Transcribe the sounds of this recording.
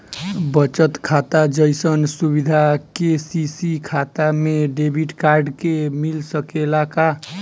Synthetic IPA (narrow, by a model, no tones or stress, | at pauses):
bət͡ʃət̪kʰat̪ad͡ʒəjsənsubid̪ʱakesisikʰat̪ameɖebʱiʈkaɾɖkemilsəkelaka